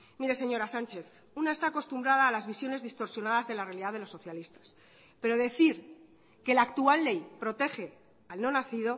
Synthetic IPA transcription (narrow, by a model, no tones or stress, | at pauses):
miɾe̞se̞ɲo̞ɾasant͡ʃe̞θ | unaest̪aːko̞st̪umbɾað̞aːlazβisjone̞zðist̪o̞ɾsjo̞naðazðe̞larealiðaðelo̞sːo̞θjalist̪ḁs | pe̞ɾo̞ðe̞θiɾ | ke̞lakt̪ualːe̞jpɾo̞t̪e̞xe̞ | alno̞naθiðo̞